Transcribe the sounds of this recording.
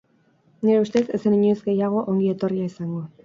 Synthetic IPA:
neɾe̞ust̪e̞t̪e̞seniɲuizɡe̞jaɣ̞o̞ʔoŋɡie̞t̪o̞riaisaŋɡo̞

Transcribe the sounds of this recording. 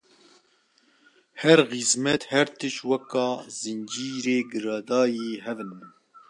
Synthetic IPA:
hɛɾxizmɛt̪hɛɾt̪ʰɨʃwɛkɑːzɨnd͡ʒiːɾeːɡɨɾɑːd̪ɑːjeːɦɛvɨnbɨn

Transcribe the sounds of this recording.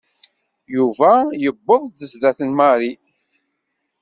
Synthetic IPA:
juvæjəbːəðˤd̪əzðæθənmɑɾi

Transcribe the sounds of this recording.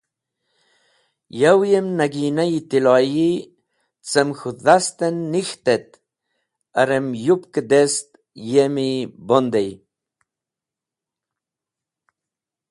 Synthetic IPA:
jawjemnaɡinajt̪ilɑji | t͡səmxuðast̪enːixt̪et̪̚ | ɐɾemjupkəd̪est̪ | jemibond̪ej

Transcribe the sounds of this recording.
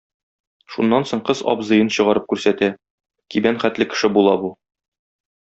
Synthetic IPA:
ʃunːɑnsoɴqɤzɒ̰pzɤ̆jɤnɕɤ̆ʁɑɾɤp̚kʉɾsæt̪æ | kibænχæt̪lɘkɘ̥̆ʃɘbulˠɑbu

